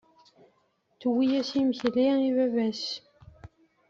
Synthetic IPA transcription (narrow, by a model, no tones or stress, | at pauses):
θwijæsimçliivævæs